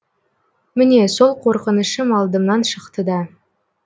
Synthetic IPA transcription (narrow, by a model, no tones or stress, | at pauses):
mɪne̞so̞lˠqʰo̞ɾqənəʃəmɑlˠd̪əmnɑnʃəqt̪əd̪ɑ